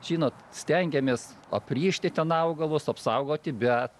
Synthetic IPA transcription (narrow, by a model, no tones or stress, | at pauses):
ʒʲiːnoːt̪sʲt̪ʲɛŋʲɡʲɛmʲeːs | ɐpʲrʲiːʃʲt̪ʲɪt̪ʲɛnɐʊɡɐlˠʊsɐpsɐʊɡoːt̪ʲɪbʲɛt̪